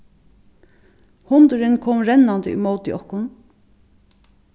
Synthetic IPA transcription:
hʊnd̪ʊɾɪnkʰɔːmɾɛnːand̪əḭmoːt̪ɪ̰ʔɔhkʊn

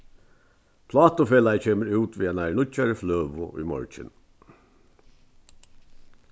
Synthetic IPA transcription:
pʰlɑːt̪ʊfeːlaɪceːməɾʉːt̪ʋiːæːnæɹnʊcaɾəfløːʋʊʔḭːmɔ̰ɹc͡çə̰n

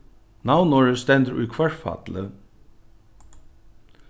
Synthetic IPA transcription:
nawnɔɹəst̪ɛnd̪əɾʔṵjkʰvɛɹfa̰t̪lə

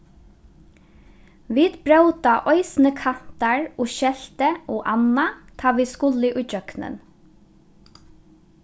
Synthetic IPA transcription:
ʋiːd̪bɹaʉt̪ɑʔɔʏsn̩əkʰɑn̥t̪ɑɹoːʃɛlt̪əʔoːʔɑnɑt̪ʰɑːʋiːskʊlɪʔʉʏd͡ʒœknə̰n

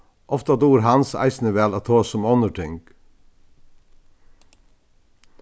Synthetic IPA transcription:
ʔɔft̪ɑd̪uːɾhɑnsæ̰ɪsnəʋeːlɑːt̪ʰoːsɔmɔnəʈʰʏŋɡ̥

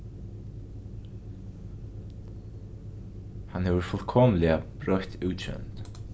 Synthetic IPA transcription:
hanhɛvʏɾfʊlkʰɔːmlɪabɾœht̪ʰʉːt͡ʃʰʏ̰nt̪

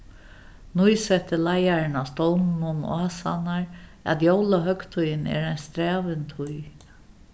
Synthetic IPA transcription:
nujsɛht̪ɪlajaɾɪnast̪ɔwnnʊn̰aːsa̰naɹa̰t̪jowlaɦœkt̪ʰʊjɪnɛ̰ːɾajnst̪ɾæːʋɪnt̪ʰʊj

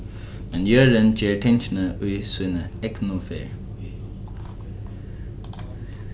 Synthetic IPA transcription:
mɛnjœːɹənd͡ʒeːɹʈʰɛnʃnəʔʊjsʊːnəɛknʊfeːɹ

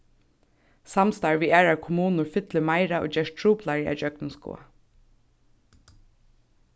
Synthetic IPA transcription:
samst̪ɑɹʋiːæːɹaɹkʰʊmuːnʊɹfɪt̪ləmaɪɾaʔo̰ːd͡ʒɛːʃtʰɹuːplaɹia̰d͡ʒœknɪnskṵːa̰

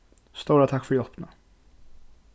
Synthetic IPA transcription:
st̪uːɾat̪ʰakːfœɾjɔpna

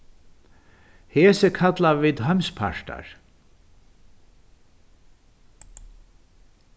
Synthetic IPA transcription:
heːsəkʰat̪laviːd̪ɦœmspʰa̰ʂʈa̰ɹ

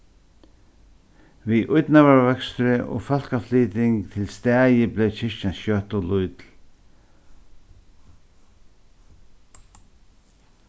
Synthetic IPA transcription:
viʔʊjt̪navaɹvɛkst̪ʏɾɪʔɔ̰ɣfɔl̥kafliːt̪ɪŋkt̪ʰɪlst̪ɛːjɪblɛjt͡ɕʰɪʂt͡ʃanʃjœht̪ɔlʊjt̪l

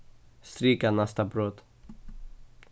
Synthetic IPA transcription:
st̪ɾiːkanast̪abɾot̪

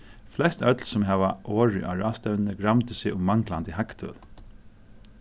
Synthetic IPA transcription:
flɛst̪œt̪lsʊmɦɛʋaʔoːɹɪʔaɹaːst̪œwnnəɡɾamt̪ʏsɪʊmaŋklant̪ɪɦakt̪ʰœ̰ːl

